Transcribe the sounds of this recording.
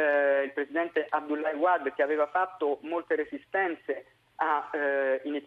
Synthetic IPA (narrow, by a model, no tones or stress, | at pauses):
ilpɾesid̪ɛnt̪eʔab̚d̪ulːajwad̪k̟eaveːvafat̪ːomolt̪eɾesist̪ɛnt̪se | a | init̪